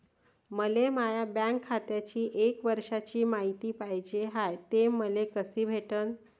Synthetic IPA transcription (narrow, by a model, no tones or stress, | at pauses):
məlemajabɛ̃ŋkʰːat̪jat͡ɕiːʔekʋəɾʂat͡ɕiːmaɦit̪iːpaɦjd͡ʑeɦajt̪eməlekəsiːbʱeʈən